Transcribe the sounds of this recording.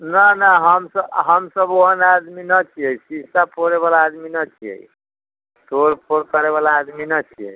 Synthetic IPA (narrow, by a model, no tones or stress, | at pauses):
nanaɦəmsəɦəmsəboɦənad̪minət͡ʃʰiəjsisapʰoɾeβalaːd̪minət͡ʃʰiɛ̰j | t̪oɾpʰoɾkəɾeβalaːd̪minət͡ʃʰiə̰j